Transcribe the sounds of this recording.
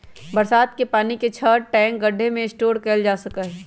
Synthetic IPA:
bɐɾsaːt̪̚kepaːniket͡ʃʰəːʈɛ̃ːŋkɡɐɖʱːemẽɪsʈoːɽkɛld͡ʒaːsɐkaɦɛː

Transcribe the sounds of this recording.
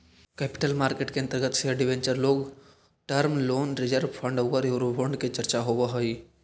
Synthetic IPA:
kɛːpɪ̥ʈəlmaːɾkeːʈkeɐnt̪əɾɡət̪seɖɪʋẽɲt͡ʃəɾloːɡ | ʈəɾmloːnɾɪd͡ʒəɾʋpʰəɳɖoɡəɾjoɾubʱoɳɖket͡ʃɐɾt͡ʃaɦoʋəɦoiː

